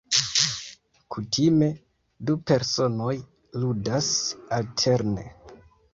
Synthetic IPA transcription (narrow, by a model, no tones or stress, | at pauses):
kʰutʰime̞ | dupe̞ɾso̞no̞j | ludasaltʰe̞ɾne̞̰